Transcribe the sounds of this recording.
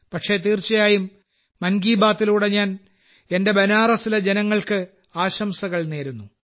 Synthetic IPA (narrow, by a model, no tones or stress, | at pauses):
pɐʈʂe̞t̪iːrt͡ɕɐjaːjumː | ɐnɡiːbaːt̪ːiluːɽe̞ɲaːn | e̞nde̞bɐnaːrɐsilɐd͡ʑe̞nɐŋːɐɭkɨ | aːɕɐmsɐɣɐɭneːɾunːu